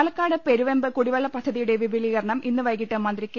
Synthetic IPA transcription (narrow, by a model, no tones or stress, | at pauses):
lɐkːaːɽɨpe̞ɾuʋembɨkuɽiʋɐɭːɐpɐd̪ʱːɐðijuɽeʋibʱiliɣɐɾɐɳɐmʔinːɨʋɐjkːiʈːɨmɐnd̪rikʲː